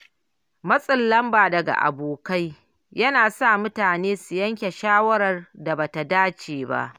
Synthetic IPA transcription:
mɐ˦sʼɪ˨lːɐ˦mbaː˨dɐ˨ɡa̰˨ʔa̰˨boː˨ka˦j | jɐ˦naː˨sa˦˨mʊ˦taː˨neː˦su˨jɐ˦ŋkʲe˨ʃaː˦wɐ˦ɾɐ˨rda˨ba˨ta˨daː˦t͡ʃeː˨ba̰˦ʔ

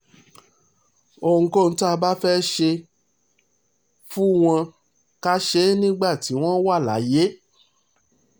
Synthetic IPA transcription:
o˧˨ŋ̩˨˦ko˦˨n̩˨˦to˦a˧ba˦fɛ˦ʃe˧ | fu˦w̃ɔ̃˧ | ka˦ʃe˦nĩ˦ɡ͡ba˦˨ti˨˦w̃ɔ̃˦wa˦˨la̰˨˦je˦

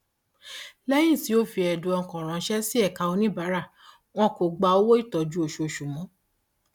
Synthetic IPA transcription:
lɛ˦j̃ĩ˦˨ti˨˦o˦fi˧ɛ˨du˨˧ɔ˧˨kɔ̃˨ɾ̃ã˨˧ʃɛ˦si˦ɛ˦˨ka˧o˧nĩ˦ba˨˦ɾa˦˨ | w̃ɔ̃˦ko˨ɡ͡ba˧o˦wo˦i˦˨tɔ˨d͡ʒu˦o˧˨ʃo˧˨ʃu˨mɔ̃˨˦

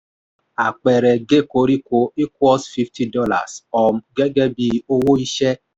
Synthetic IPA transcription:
a˨k͡pɛ˨ɾɛ˨ɡe˦ko˨˦ɾi˦ko˨˦i˦kɔ˦sfi˦ftʰi˦dɔ˦la̰˨sɔ˨m˨ɡɛ˦ɡɛ˦bi˧o˦wo˦i˦ʃɛ˦

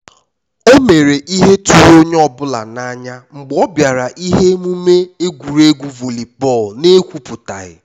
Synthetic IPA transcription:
o˦me˨ɾe˨ʔi˦ɦe˦tu˨ɾo˦ɲe˦ɔ˦bʊ˦la̰˨na˦ɲa˦ŋ͡m̩˨ɡ͡bɔ˦bja˨ɾa˨ʔi˦ɦe˦mu˦me˦e˦ɡʷu˨ɾe˦ɡʷu˦vo˨li˨pɔ˦˨lne˦kʷu˦pʊ˨ta̰˨ɣɪ̰˨

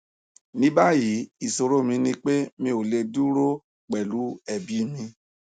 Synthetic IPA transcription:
nĩ˦ba˦ji˨˦i˦˨so˧ɾo˦˨mĩ˧nĩ˧k͡pe˦mĩ˧o˨le˧du˦ɾo˦ | k͡pɛ˨lu˨˦ɛ˦˨bi˨˦mĩ˧

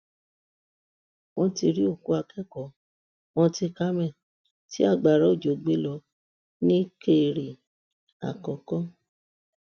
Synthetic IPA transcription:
wɔ̃˧ti˧ɾi˦o˦˨ku˦a˧kɛ˦˨kɔ˨˦ | wɔ̃˧ti˧ka˦mɛ̃˦˨ | ti˦a˦˨ɡ͡ba˨ɾa˨˦o˦˨d͡ʒo˨ɡ͡be˦lɔ˧ | nĩ˦ke˦˨ɾi˨ | a̰˨kɔ˨kɔ˦

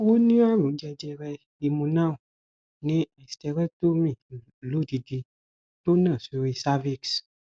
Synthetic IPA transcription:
wo˦nĩ˦a˦lũ˨˦d͡ʒɛ˧d͡ʒɛ˧ɾɛ˧ | i˧mũ˧nã˦˨u˨ | nĩ˦a˨stɛ˧ɾɛ˦to˦mĩ˦˨ | lu˨˦di˧di˧ | to˦nã˦˨su˧ɾi˧sa˦vi˦˨ks

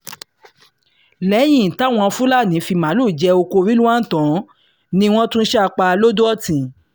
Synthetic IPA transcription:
lɛ˨˦j̃ĩ˦˨ta˨˦˨w̃ɔ̃˧fũ˦la˦˨nĩ˨˦fi˧mã˨˦lu˦˨d͡ʒɛ˧o˧ko˧ɾi˦lu˦a˦n̩˦˨tɔ̃˨˦ | nĩ˧w̃ɔ̃˦tũ˦n̩˦ʃɛ˦a˧k͡pa˧lo˦do˦ɔ˦tĩ˨

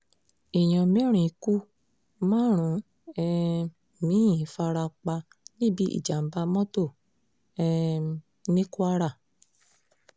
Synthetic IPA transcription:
i˨j̃ɔ̃˨mĩ˨˦ɾ̃ĩ˨i˨ku˦ | mãː˦ɾ̃ũ˨˦ | ɛ˧˨ | mĩ˨˦ĩ˨fa˧ɾa˧k͡pa˧ | nĩ˦˨bi˨˦ʔḭ˦˨d͡ʒa˨m̩˨˦ba˧mɔ̃˦to˦˨ | ɛ˧ | nĩ˦ku˦a˦ɾa˦˨

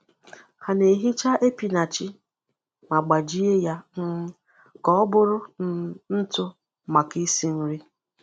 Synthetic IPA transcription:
ha˨ne˨ɦi˦t͡ʃa˦ʔe˦pi˨na˨t͡ʃɪ˦ | ma˨ɡ͡ba˨d͡ʒi˦e˦ja˦ŋ̩˦ | kɔ˦ɔ˦bʊ˦ɾʊ˦n̩˦tʊ˦ | ma˨ki˦si˦n̩˦ɾi˦

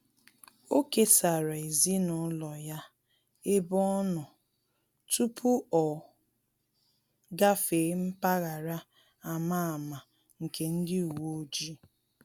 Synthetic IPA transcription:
o˦ke˦sa˨ɾa˨e˨zi˦nʊ˨˦lɔ˨ja˦ | e˦bɔ˦nʊ˨ | tu˦pʰu˦ɔ˨ | ɡa˦fe˨˦m̩˦pa˦ɣa˨ɾa˦ | a˨ma˦a˨ma˨ | ŋ̩˨ke˨n̩˦dɪ˦u˨wo˦o˦d͡ʒi˦

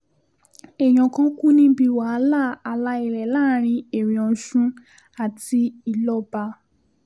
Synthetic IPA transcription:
ɛ˨j̃ɔ̃˨kã˦ku˦nĩ˧bi˧˨wa˨˦la˦˨a˧la˧˦i˨ɾɛ˨laː˦ɾ̃ĩ˧e˨ɾĩ˨ɔ̃˨˦ʃũ˦ | a˨ti˧i˨lɔ˦ba˧

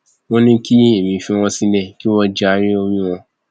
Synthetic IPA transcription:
wɔ̃˦nĩ˦ki˦e˦˨mĩ˧fĩ˧˦w̃ɔ̃˧si˧˦nɛ̃˦˨ki˦wɔ̃˧d͡ʒa˨˧˦ɾĩ˦o˧mĩ˦wɔ̃˧

